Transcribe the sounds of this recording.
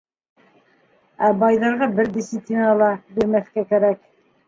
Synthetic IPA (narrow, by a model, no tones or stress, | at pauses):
æbɑjðɑɾʁɑbɘɾd̪ʲisiplʲinɑlˠɑbiɾmæθkækæɾæk̚